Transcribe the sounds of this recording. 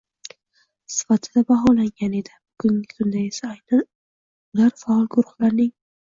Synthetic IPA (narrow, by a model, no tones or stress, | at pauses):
sɪ̥fat̪ʰɪd̪abaɦɒlaŋɡʲane̞d̪ɪbʊɡʊŋʲɪkʰʊnd̪aesaajnan | ʊlaɾfaɒlˠɡʊɾʊχlaɾnɪŋ